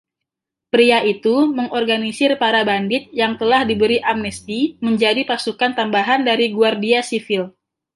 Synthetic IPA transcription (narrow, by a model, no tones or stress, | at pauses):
pɾiaʔit̪uməŋɔrɡanisɪrpaɾabandɪt̪̚jaŋt̪əlahdibəɾiʔamnɛst̪iməɲd͡ʒadipasukant̪ambaɦandaɾiɡuardiasifɪl